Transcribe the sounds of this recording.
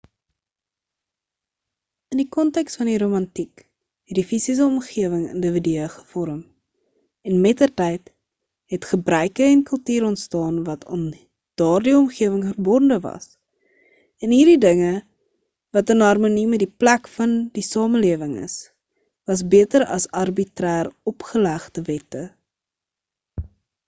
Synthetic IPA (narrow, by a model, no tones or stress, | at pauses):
əndikɔntɛkstfɐndiɾomɐntik | ɦɛt̚difisis̬əɔmχiəvəŋə̰ndəvidiəχə̥fɔɾəm | ɛnmɛtərtɛjt | ɦɛtχəbrœjkəɛnkəlˠtiːɾɔntstɑːnvɐtʰːn | d̥ɑːrdiɔmχiəvəŋfərbɔndəvɐ̰s | ɛnɦiːrdidəŋə | vɐtənɦɐrmonimədiplækfɐndisɑːməliəvəŋə̰s | vɐs̬biətəɾɐ̰sɐrbitræːrɔpχəlæχdəvɛtə